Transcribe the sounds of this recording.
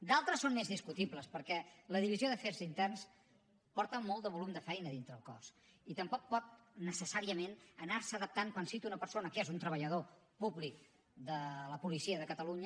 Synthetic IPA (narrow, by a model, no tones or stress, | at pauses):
d̪alˠt̪ɾəsːonmezðiskut̪ibləspəɾkɛləðiβizioðəfeɾzint̪ɛrns | pɔɾt̪əmɔlˠd̪əβulumd̪əfɛjnəðint̪ɾəːlˠkɔ̰s | it̪əmpɔk̚pɔt̪̚ | nəsəsaɾiəmenənarsəðəp̚t̪aŋkwansint̪unəpəɾsonəkezunt̪ɾəβ̞əʎəð̞opublik̚ | d̪ələpulisiəðəkət̪əluɲə